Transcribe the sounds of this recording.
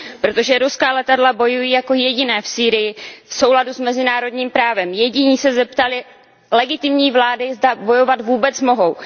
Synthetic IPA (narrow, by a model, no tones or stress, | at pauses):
pɾot̪o̞ʒɛɾuskaːlɛt̪adlabo̞jujiːjako̞jɛɟɪnɛːfsiːɾɪjɪfso̞wladusmɛzɪnaːɾo̞dɲiːmpɾaːvɛmjɛɟɪɲiːsɛzɛp̚t̪alɪ | lɛɡɪt̪ɪmɲiːvlaːdɪzdabo̞jo̞vat̪vuːbɛt͡smo̞ɦo̞w